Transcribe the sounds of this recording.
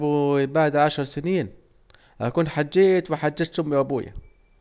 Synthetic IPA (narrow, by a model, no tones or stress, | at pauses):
bubaʕd̪ʕaʃɑɾˤsɪniːn | hakuːnħad͡ʒːeːʔt̪wɪħad͡ʒːeːt̪ʃʊmːiʔabuːja̰